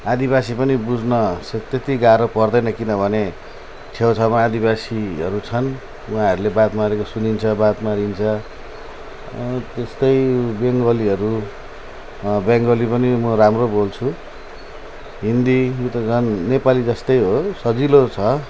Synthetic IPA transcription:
ad̪ibasipʌnibud͡znʌset̪et̪iɡaɾopʌrd̪ʌjnʌkinʌbʱʌne | t͡sʰewt͡sʰamaːd̪ibasiʌɾut͡sʰʌn | uãɦʌɾulebat̪maɾekosunint͡sʰʌbat̪maɾint͡sʰʌ | t̪est̪ʌjbeŋɡʌliʌɾu | bjʌŋɡolipʌnimʌɾamrobolt͡sʰu | ɦind̪ijot̪ʌd͡zʰʌnːepalid͡zʌst̪ʌjɦosʌd͡zilot͡sʰʌ

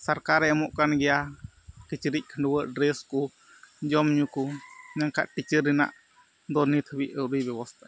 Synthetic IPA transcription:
saɾkaɾɛmɔʔkanɡɛja | kət͡ʃəɾic̚kʰəɳɖuwəʔɖɾɛsku | d͡ʒɔmɲukuɲaŋka̰ʔʈit͡ʃəɾina̰ʔ | d̪ɔnit̪ʰəwiʔəwɾujbɛwɔst̪a

